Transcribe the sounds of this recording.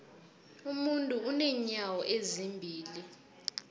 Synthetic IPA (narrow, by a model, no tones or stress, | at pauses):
umuntʼuunɛɲawɔʔezimbʱiːli